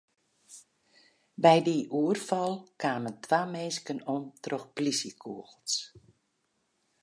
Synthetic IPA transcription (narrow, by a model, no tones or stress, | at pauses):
bɛjdiʔuərfɔlˠkʰaːməntʰʋaːmeːskənontrɔxplisikʰuəɣlˠs